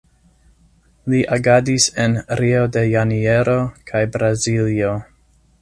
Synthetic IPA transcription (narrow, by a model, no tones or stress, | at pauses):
liʔaɡadisenɾio̞de̞janie̞ɾo̞kʰajbɾazilio̞